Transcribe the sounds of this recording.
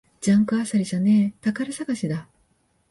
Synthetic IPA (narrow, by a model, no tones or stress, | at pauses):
d͡ʑãŋkɯ̟asaɾʲiʑanet̪akaɾɯsaɡaɕid̪a